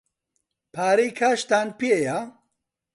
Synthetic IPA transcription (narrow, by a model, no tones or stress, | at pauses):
pʰaːɾijkʰaːʃt̪aːnpieja